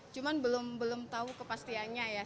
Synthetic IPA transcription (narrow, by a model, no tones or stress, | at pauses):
t͡ʃumanbəlʊmbəlʊmt̪aukəpast̪ianɲaja